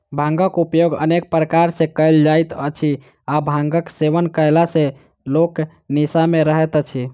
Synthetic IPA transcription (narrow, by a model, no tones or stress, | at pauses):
bʱãŋɡəkupjoɡə̰nek̚pɾəkaɾsẽkəjld͡ʒajt̪ət͡ʃʰi | abʱãŋɡəkseʋənkəjlasẽ | lok | nisameɾəɦɛt̪ət͡ʃʰi